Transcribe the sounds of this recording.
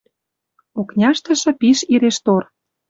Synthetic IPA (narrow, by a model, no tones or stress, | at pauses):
oknʲɑʃt̪ə̆ʃɤ̆piʃiɾeʃt̪or